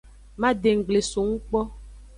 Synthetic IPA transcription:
mã˦ɖe˨ŋ̩˨ɡ͡ble˨so˨ŋũ˦k͡pɔ˦

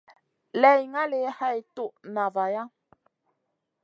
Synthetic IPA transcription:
lɛ˨jŋa˦le˨˦ha˦˧jt̪u˦˨ʔnã˨va˨ja˦

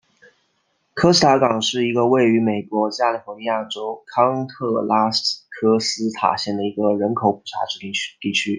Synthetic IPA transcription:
kʰɤ˥sɹ̩˥t̪ʰa˧˥kɑ˨˩ŋʂɻ̩˥˩i˧˥ɡə˧we˥˩ɪy˧˥me˨˩ɪkwɔ˧˥t͡ɕja˥˩li˨˩fɔ˧˥ni˧ja˥˩ʈ͡ʂo˥ʊkʰɑ˥ŋt̪ʰɤ˥˩la˥skʰɤ˥sɹ̩˥t̪ʰa̰˨˩ɕjɛ˥˩nd̪ə˩i˧˥ɡə˧ɻə˧˥nkʰo˨˧˥ʊpu̥˨˩ʈ͡ʂʰa̰˧˥ʈ͡ʂɻ̩˧˩˥t̪i˥˩t͡ɕʰy˥

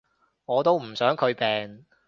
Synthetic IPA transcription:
ŋɔː˨˧t̪o˥wm̩˨˩sœː˨˥ŋkʰɵ˨˧ɥpɛː˨ŋ

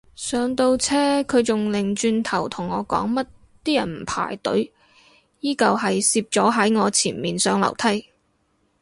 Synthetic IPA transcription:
sœː˨˧ŋt̪o˧wt͡sʰɛː˥kʰɵ˨˧ɥt͡sʊ˨ŋlɪ˨ŋt͡ʃyː˧nt̪ʰɐ˨˩wt̪ʰʊ˨˩ŋːɔː˨˧kɔ̰ː˨˥ŋmɐ˥t̚ | t̪iː˥jɐ̰˨˩nm̩˨˩pʰa̰ː˨˩jt̪ɵ̰˨˥ɥ | jiː˥kɐ˨˧whɐ˨jsiː˧p̚t͡sɔː˨˥ɦɐ˨˥jŋɔː˨˧t͡sʰiː˨˩nmiː˨nsœː˨˥ŋlɐ̰˨˩wt̪ʰɐ˥j

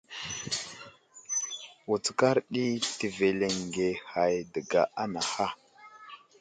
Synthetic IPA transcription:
wu˨t͡ska˦ɾɗi˦ti˨ve˨le˨ŋɡe˨ha˨jdə˨ɡa̰˨ʔa˦na˨ha˦

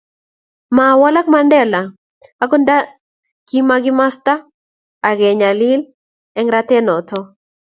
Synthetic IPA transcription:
ma˨wa˦la˦kma˦ndɛ˦la˨ | a˦kɔ˦nda˦ | ki˦ma˦ɡɪ˦ma˦st̪a˦ | a˨ɡɛ˨ɲa˨lɪ˦l | ɛ˦ŋɾa˦t̪ɛ˦nɔ˨t̪ɔ˦

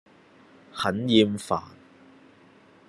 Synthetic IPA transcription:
hɐ˨˥njiː˧mfa̰ː˨˩n

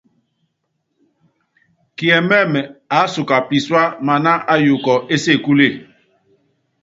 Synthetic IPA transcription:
ki˨ɛ˨mɛ˦˨mɛ˨a˨˦su˨ka˨pi˨swa˦ma˨na˦ʔa˦ju˨kɔ˨e˦se˦˨ku˦le˦˨

